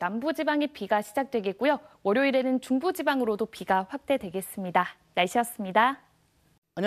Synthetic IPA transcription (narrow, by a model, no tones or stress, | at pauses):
nambud͡ʑibaŋipiɡaɕʰid͡ʑak̚t͈we̞ɡe̞t̚k͈ujowʌɾjoiɾe̞nɯnt͡ɕuŋbud͡ʑibaŋɯɾodopiɡaɸwak̚t͈e̞dwe̞ɡe̞s͈ɯmɲida | naɭɕʰijʌs͈ɯmɲida